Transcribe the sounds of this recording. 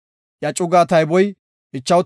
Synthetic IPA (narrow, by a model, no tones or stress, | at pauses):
jɐt͡ʃʼʊɡaːt̪ɐjbɔj | ʔɪt͡ʃːɐw